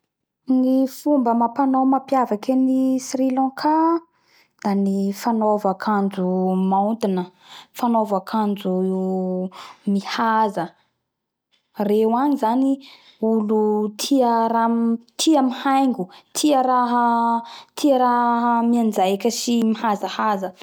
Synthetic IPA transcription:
nifumbəmapanomapjavakʲenisrilɔ̃kʰa | d̪̥anifanovakʰand͡zumaunt̪inəfanovakʰand͡zu | mihazə | rewanizani | ulut̪ʰiəɾat̪ʰiamihajŋɡut̪ʰiəɾaɦət̪ʰiaɾaɦəmiand͡zajkʲəsimihazahazə

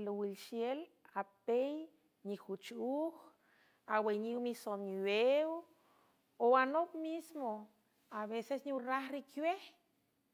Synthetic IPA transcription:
lowilʃjelapej | nixut͡ʃux | aweɲiwmisomiwew | oanopmismo | aβesesɲiraxɾikweh

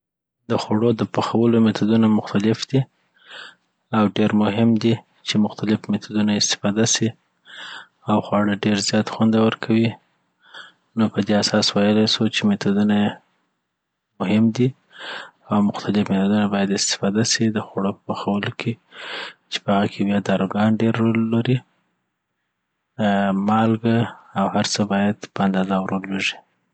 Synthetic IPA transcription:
d̪əxwaɽod̪əpaxawəlomet̪ʰad̪unamʊxt̪alɪfd̪̥i | awɖeɾmʊɦɪmd̪i | t͡ʃemʊxt̪alɪfmet̪ad̪unaɪst̪ɪ̥fɑd̪asi | awxwɑɽəɖeɾzjɑt̪xwand̪awəɾkʰawi | nopəd̪easɑswajəlajsut͡ʃemet̪ud̪unaje | mʊɦɪmd̪i | awmʊxt̪alɪfmet̪od̪unabɑjad̪ɪst̪ɪ̥fɑd̪asid̪əxaɽopəpaxawəlokʰe | t͡ʃe̥pəhaɣakʰewjɑd̪ɑɾoɡɑnɖeɾːolːaɾi | mɑlɡaawhaɾt͡səbɑjad̪pəand̪ɑzawɾolweʒi̥

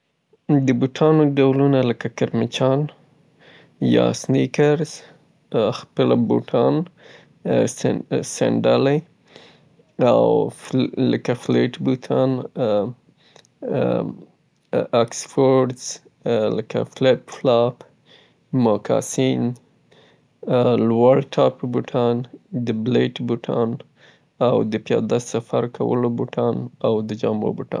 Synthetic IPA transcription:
d̪əbuʈʰɑnoɖawlunaləkakaɾmɪt͡ʃɑn | jɑ̰snikaɾz̥ | xpəlabṵʈʰɑn | sa̰ɳɖala | a̰wləkafleʈbut̪ʰɑn | aksfoɾɖz̥ | ləka̰fleʈ̚flɑp | mɑkʰɑ̰sin | lwaɽʈʰɑpbuʈʰɑnd̪əbleʈbuʈʰɑn | awd̪əpjɑ̰d̪asafaɾkʰawə̰lobuʈʰɑnawd̪əd͡ʒɑmɾo̰buʈɑ̰n

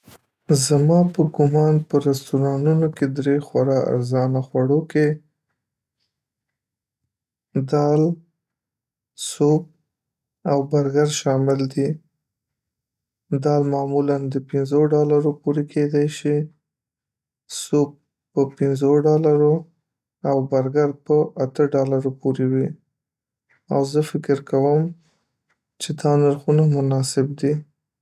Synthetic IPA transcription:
zamɑpəɡʊmɑnpəɾast̪uɾɑnunoked̪ɾexwaɾɑa̰ɾzɑnaxwaɽoke | d̪ɑl | sop̚ | awbaɾɡaɾʃɑmɪld̪i | d̪ɑlmɑmuland̪əpɪnzoɖɑlaɾopoɾekʰed̪ajʃi | sob̚ | pəpɪnzoɖɑlaɾo | awbaɾɡaɾpəat̪əɖɑlaɾopoɾewi | awzəfɪkɪɾkʰawəm | t͡ʃed̪ɑnaɾxunamʊnɑsɪb̚d̪i

